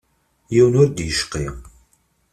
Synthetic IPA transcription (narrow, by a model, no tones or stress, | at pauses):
jiwənʊɾd̪jəʃqi